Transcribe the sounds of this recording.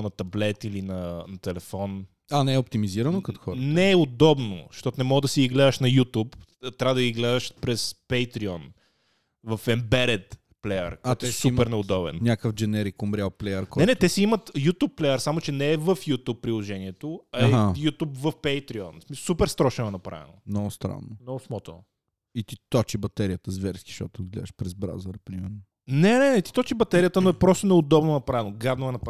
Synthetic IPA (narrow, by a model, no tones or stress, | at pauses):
nɐt̪ɐblɛt̪ilinɐnɐt̪ɛlɛfɔn | anɛɛop̚t̪imiziɾɐnokɐt̪o̥xɔɾnɛʊd̪ɔbno̰ʃt̪ɔt̪ʊnɛmɔɡəd̪ɐsiiɡlɛd̪əʃnɐjut̪up | t̪ːɾʲavəd̪ɐɡiɡlɛd̪əʃpɾɛspɛjt̪ɾiɔn | vəfɛmbɛɾɛt̪ | plɛjə̰ɾkɔt̪ɛsupɛɾnɛʊd̪ɔbɛ̰nnʲakəfd͡ʒɛnɛɾikʊmbɾʲaplɛjəɾkonɛnɛt̪ɛsɛimət̪jut̪upːlɛjəɾsamʊt͡ʃɛnɛːvəfjut̪up̚ːɾilˠoʒɛniɛt̪oɐɛɦajut̪upvəfpɛjt̪ɾiɔnsmisˠsupɛɾst̪ɾɔʃɛnoɛnɐpɾa̰vɛ̰nomnɔɡʊst̪ɾa̰nːomnɔɡʊsmɔt̪o̰ | it̪it̪ɔt͡ʃibɐt̪ɛɾiət̪əzvɛɾskʲi̥ʃt̪ɔ̰t̪od̪ɡlʲɛ̰d̪ɛʃpɾɛzbɾa̰zɐɾɐpɾimɛɾno | nɛnɛnɛt̪it̪ɔt͡ʃibɐt̪ɛɾijət̪ənoɛpɾɔst̪onɛʊd̪ɔbnonɐpɾavɛnoɡad̪noɛnɐpa